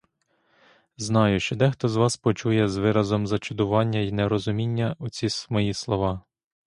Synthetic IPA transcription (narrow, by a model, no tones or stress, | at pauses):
znɑjʊʃt͡ʃɔd̪ɛxt̪ɔzʋɑspɔt͡ʃujɛzʋɪɾɐzɔmzɐt͡ʃʊd̪ʊʋɑnʲːɐinɛɾɔzʊmʲinʲːɐʊt͡sʲismɔjislˠɔʋɑ